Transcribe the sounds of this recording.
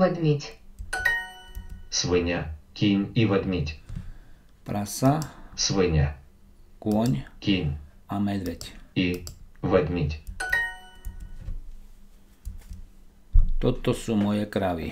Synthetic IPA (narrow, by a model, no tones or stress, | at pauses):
ɛd̪ʲmʲitʲ | sʋɨɲʲakʲiɲʲiʋɛd̪ʲmʲitʲ | pɾʔasasʋɨɲʲa | kʊɔɲkʲiɲʲamɛd̪ʋɛciʋɛd̪ʲmʲitʲ | t̪ɔt̪ɔsuːmɔjɛkɾaʋḭ